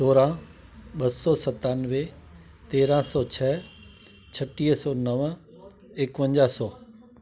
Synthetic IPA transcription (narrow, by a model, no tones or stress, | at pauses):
soːɾã | ɓɐssɔsɐt̪aːnʋe | t̪eːɾãsɔt͡ɕʰɛ | t͡ɕʰɐʈiːɦsɔnɐʋ | eːkʋə̃ɲd͡ʑaːsɔː